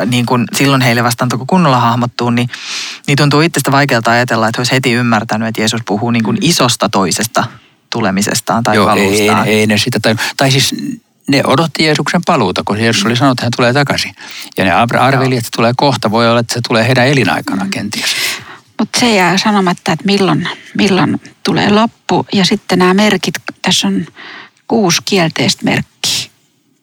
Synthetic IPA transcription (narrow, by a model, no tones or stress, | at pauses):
niːŋkunsilːonheileʋɑst̪ɑːnt̪okokunːolːɑhɑhmot̪ːuːnninit̪unt̪uːit̪ːest̪æʋɑikeːlt̪ɑɑjɑt̪elːɑet̪hoishet̪iymːært̪ænyet̪jeːsuspuhuːniːŋkunisost̪ɑt̪oisest̪ɑ | t̪ulemisḛst̪ɑːnt̪ɑioːɑlːsḭeinesit̪ːæt̪ɑiut̪ɑisis | neʔodot̪ːijeːsuksempɑluːt̪ɑkojeːsusolisɑnoet̪ːhænt̪uleːt̪ɑkɑsijɑ̰nḛɑprɑrʋeliet̪se̥t̪uleːkoht̪ɑʋoiolːɑet̪ːæset̪uleːheiɾæelinɑ̰ikɑnɑːkent̪iæsmut̪sejæːsɑnomɑt̪ːɑet̪milːonmilːont̪ulḛːlopːujɑsit̪ːenæːmerkit̪t̪æsːon | kuːskielt̪eist̪mḛrkːi̥ː